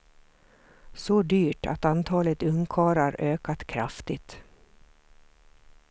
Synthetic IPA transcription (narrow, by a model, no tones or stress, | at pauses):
sɔd̪yːʈa̰t̪ant̪ʰɑːlət̪ɵŋkʰɑːɾaɾøːkat̪kʰɾaft̪ɪt̪